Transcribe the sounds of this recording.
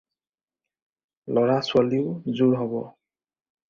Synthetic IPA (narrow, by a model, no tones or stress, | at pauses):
lɔɹaswaliʊzuɹɦɔbɔ̰